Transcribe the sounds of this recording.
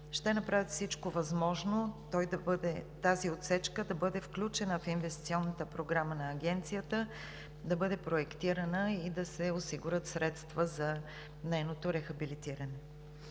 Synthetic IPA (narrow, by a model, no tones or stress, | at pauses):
ʃt̪ɛnɐpɾavit̪fsit͡ʃkovɐzmɔʒnot̪ɔjd̪ɐbəd̪ɛt̪aziot̪sɛt͡ʃkəd̪ɐbɤd̪ɛfklʲut͡ʃɛnəfinvɛst̪it̪siɔnːət̪əpɾoɡɾamənɐːɡʲɛnt̪sijət̪ə | d̪ɐbɤd̪ɛpɾoɛkt̪iɾənəid̪ɐsɛosiɡuɾət̪sɾɛt̪st̪vəzɐ | nɛjnot̪oɾɛxɐbilit̪iɾənɛ